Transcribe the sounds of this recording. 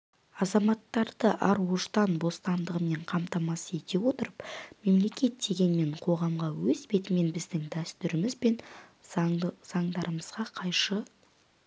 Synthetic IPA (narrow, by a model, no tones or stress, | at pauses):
ɑzɑmɑt̪ːɑɾd̪̥əʔɑɾwo̞st̪ɑnbo̞st̪ɑnd̪əʁəme̞ɴqʰɑmt̪ɑmɑsəe̞t̪e̞wo̞t̪əɾəpme̞mle̞kʲe̞t̪̚d̪e̞ɡʲe̞nme̞ɴqʰo̞ʁɑmʁɑwɵzbe̞t̪ɪme̞nbɪzd̪ɪŋd̪æst̪ʏɾɪmɪzbe̞n | z̥ɑɴd̪ɑɾəməzʁɑqʰɑjʃə